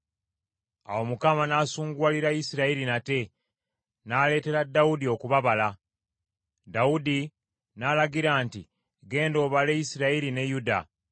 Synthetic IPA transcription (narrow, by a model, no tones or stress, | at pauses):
a̰wo̞mukamanaːsuːŋɡwaːliɾajisiɾaiɾinate̞ | naːle̞ːte̞ɾadːawudio̞kuβaβala | daudi | naːlaɡiɾaːnti | ɡe̞ːndo̞ːβale̞jisiɾaiɾine̞juda